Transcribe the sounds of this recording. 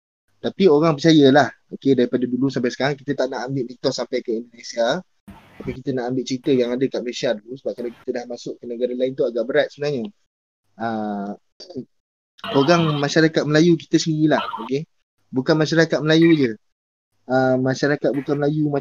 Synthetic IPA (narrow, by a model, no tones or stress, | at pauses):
t̪apioɾaŋpət͡ʃajəlah | okedaɾipadadulusampajsə̥kaɾaŋkit̪ət̪aʔnaʔambɪʔmit̪ɔsampajkəindonesia | t̪apikit̪ənaʔambɪʔ̚t͡ʃəɾit̪əjaŋadəkaʔməlesiadulusəbap̚kalawki̥t̪ədahmasʊʔkənəɡaɾalaɪnt̪uaɡaʔbəɾat̪̚səbənaɲə | ə | koɾaŋmaʃaɾakat̪̚məlajuki̥t̪əsəniɾilahoke | bukanmaʃaɾakat̪̚məlajud͡ʒə | əmaʃaɾakat̪̚bukanməlajuma